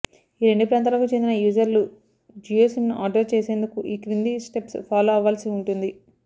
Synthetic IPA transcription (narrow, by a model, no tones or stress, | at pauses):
iːɾe̞ɳɖupɾaːnt̪̬aːlɐkut͡ʃend̪inɐjuːzɐɾlu | d͡ʒiːoːsmnuʔaːɾɖɐɾt͡ʃeːseːnd̪ukuʔiːkɾind̪isʈe̞pspʰaːloːɐʋaːlɐsiuɳʈund̪i